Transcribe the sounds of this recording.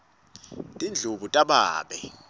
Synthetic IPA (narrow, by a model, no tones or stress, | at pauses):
tʼind͡ɮʱuɓutʼaɓa̰ːɓɛ